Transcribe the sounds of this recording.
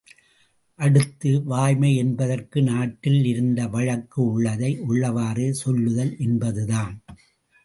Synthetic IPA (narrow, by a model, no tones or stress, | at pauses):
ʔɐɽɯt̪ːɯʋaːjmɐɪɛnbɐðɐrkɯnaːʈːɪlɪɾɯnd̪ɐʋɐɻɐkːɯʊɭːɐðɐɪʔʊɭːɐʋaːreːsɔlːɯɣɐlʔɛnbɐðɯðaːn